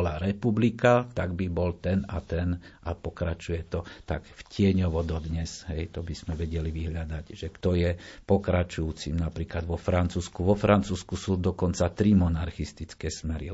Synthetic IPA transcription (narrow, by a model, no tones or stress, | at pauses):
laɾɛpublikat̪aɡbibɔlt̪ɛnat̪ɛnʔapɔkɾat͡ʃujɛt̪ɔt̪akfcɪɛɲɔʋɔd̪ɔd̪ɲɛsɦɛjt̪ɔbiz̥mɛʋɛɟɛliʋiɦʎad̪aɟʒɛkt̪ɔjɛpɔkɾat͡ʃujuːt͡simnapɾiːklad̪ʋɔfɾant͡suːskuʋɔfɾʔant͡suːskusuːd̪ɔkɔnt͡sat̪ɾimɔnaɾxist̪it͡skɛːsmɛɾḭ